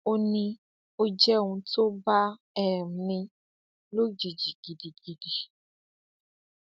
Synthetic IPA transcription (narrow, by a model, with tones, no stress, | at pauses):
o˦nĩ˧ | o˦d͡ʒɛ˦˨ŋũ˧to˦ba˦ | ɛ˨mĩ˧ | lo˦d͡ʒi˨d͡ʒi˨ɡ̥i˨di˨ɡ̥i˨di˨